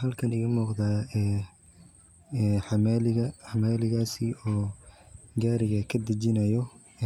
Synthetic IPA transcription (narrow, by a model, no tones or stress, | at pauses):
ɦɐlkʰɐnɪɣɐmuːqd̪aːɛː | ħɑmalɪɣɐħɑmaːlɪɣaːsɪɔː | ɡaːɾɪɣɐkʰɐd̪ɐt͡ʃɪnɐjɔ